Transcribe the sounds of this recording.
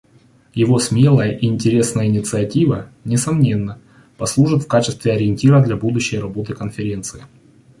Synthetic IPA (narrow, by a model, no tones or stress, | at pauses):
jɪvosmʲe̞lˠəjəʔɪɪnʲtʲɪɾʲe̞snəjəɪnʲɪt̪sɨɐtʲivənʲɪsɐmnʲe̞nːə | pɐslˠuʐɨt̪fkat͡ɕɪst̪vʲɪɐɾʲɪɪnʲtʲiɾəd̪lʲabud̪ʊɕːɪjɾɐbo̞t̪ɨkənfʲɪɾʲe̞nt̪sɨɪ